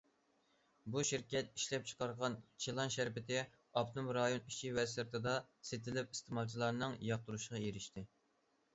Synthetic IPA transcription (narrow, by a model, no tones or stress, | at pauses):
buʃiɾkʲɛt̪̚iʃlɛp̚t͡ʃʰə̥qɑɾʁɑnt͡ʃʰelˠɑnʃæɾpɪt̪ʰɪ | ɑpt̪umɾɑjoniʃʰiwɛsɨɾt̪ʰɨd̪ɑset̪ʰɪlɪpi̥st̪ʰemɑlˠt͡ʃʰilˠɑɾnɨŋjɑq̚t̪uɾuʃʁɑjeɾɪʃt̪ʰɪ